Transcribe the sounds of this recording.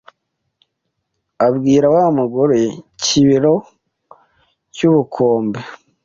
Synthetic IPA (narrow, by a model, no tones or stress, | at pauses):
aβɡiːɾawamuɡoɾeciβiɾo̞ | cuβukʰoːmbe